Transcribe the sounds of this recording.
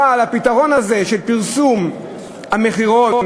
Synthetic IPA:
alapit̪aʁo̞naze̞ʃelpiʁsum | hame̞χiʁo

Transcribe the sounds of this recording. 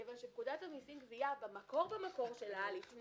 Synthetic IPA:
evanʃebkud̪athanisimɡziabemako̞ʁbemako̞ʁʃe̞lalif

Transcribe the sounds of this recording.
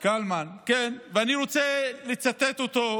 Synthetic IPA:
kalmankenveaniʁot͡selet͡sat̪et̪ot̪o

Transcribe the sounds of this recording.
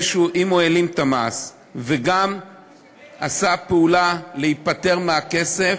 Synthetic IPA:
ʃuʔimo̞elimt̪amas | veɡam | asapeulalehit̪̚pate̞ʁmeake̞se

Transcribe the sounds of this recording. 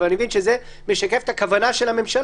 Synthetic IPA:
animevinʃeze | meʃakefe̥t̪akavanaʃelhame̞mʃal

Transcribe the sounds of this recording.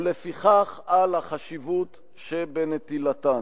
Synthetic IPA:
lefiχaχalhaχaʃivut̪ | ʃebenet̪ilat̪a

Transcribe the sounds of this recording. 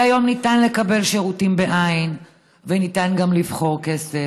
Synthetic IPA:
ajo̞mnitanle̞kabe̞lʃeʁutimbeʔain | venitanɡamlivχo̞ʁke̞se

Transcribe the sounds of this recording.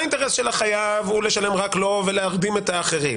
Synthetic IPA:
inteʁesʃelaχajavule̞ʃale̞mʁaklo̞veleaʁd̪imet̪aːχe̞ʁim

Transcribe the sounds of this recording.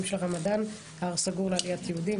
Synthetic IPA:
mʃelʁamad̪anː | ʁsaɡuʁlealijat̪jeud̪i

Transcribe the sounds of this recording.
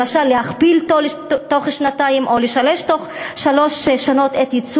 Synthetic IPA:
aʃalːehaχbiltotoχʃnataimʔo̞leʃaleʃtoχʃalo̞ʃʃano̞t̪et̪it͡s

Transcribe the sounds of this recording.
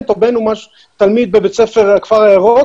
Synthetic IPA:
t̪obenumaʃu̥ | t̪almid̪̚bebet͡sefeʁkv̥aʁaeʁo

